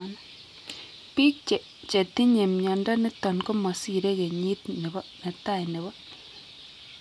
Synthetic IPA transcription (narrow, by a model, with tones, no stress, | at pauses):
n | pi˦k̚t͡ʃɛ˨ | t͡ʃe˨ti˦ɲe˨mɲɔ˨ndɔ˦nɪ˦tɔ˨nko˦mɔ˨si˦ɾe˦ke˨ɲi˦tne˨bɔ˦nɛ˨ta˦˨jnɪ˨bɔ˦